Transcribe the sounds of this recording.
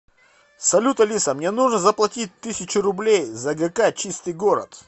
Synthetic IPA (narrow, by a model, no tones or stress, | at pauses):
sɐlʲut̪əlʲisəmnʲenuʐnəzəplˠɐtʲit̚ʲt̪ɨsʲɪt͡ɕɪɾʊblʲejzɐɡɛkat͡ɕist̪ɨjɡoɾə̰t̪